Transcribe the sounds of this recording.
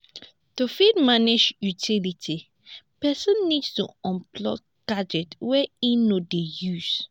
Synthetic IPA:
tufid̚maned͡ʒjutʰilitʰi | pɛsɔ̃nːidstṵɔ̃mplɔ̰ | ɡ̥ad͡ʒɛtwɛinodejus

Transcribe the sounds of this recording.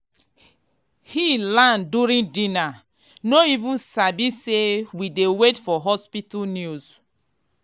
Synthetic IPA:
hilãnduɾĩndĩna | noivũnsabisewidewetfɔɦɔspitulnjuz

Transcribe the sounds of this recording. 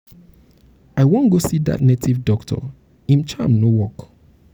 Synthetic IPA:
aɪwõnɡosida̰tnetʰivdɔktʰɔ̰ | ĩmt͡ʃʰamnowɔk

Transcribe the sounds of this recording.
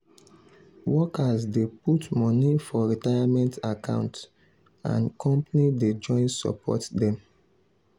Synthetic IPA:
wɔkasdeputmɔnifɔɹitajamɛ̃ntakã̰ʊ̃nts | ã̰nkɔ̃mpanided͡ʒɔ̃ɪ̃nsɔ̰pʰɔ̰tdɛ̃m

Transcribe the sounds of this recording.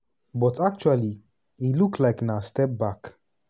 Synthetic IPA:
bɔtʰak̚t͡ʃuali | iluklaɪknastɛp̚bak

